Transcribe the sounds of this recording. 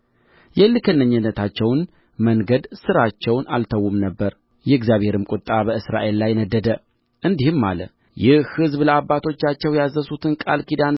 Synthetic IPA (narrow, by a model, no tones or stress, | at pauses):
jɛlːɨkʰənːəɲːɨnːət̪ʰat͡ʃːɛwn | məŋɡəd̪sɨɾat͡ʃːɛwnʔalt̪ʰəwumnəbːəɾ | jɛɨɡzjaβhe̞ɾɨmkʼʊt̪ʼːabəɨsɾa̰ʔe̞lːajnəd̪ːəd̪ə | ʔɨnd̪ihɨmːa̰lə̰ | jɪhhɨzbləabːat̪ʰo̞t͡ʃːat͡ʃːɛwjazːəsut̪ʰɨnkʼa̰lkʰid̪an